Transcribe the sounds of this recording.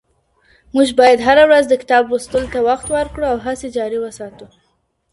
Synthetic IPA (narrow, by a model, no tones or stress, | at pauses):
muʒbɑjad̪ɦaɾawɾazd̪əkɪ̥t̪ɑbwust̪əlot̪awaxt̪wəɾkɽuawɦased͡ʒɑɾiwəsɑt̪u